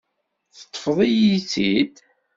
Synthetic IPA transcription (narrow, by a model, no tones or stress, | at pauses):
θə̥t̪ˤːə̥fðˤijiθid̪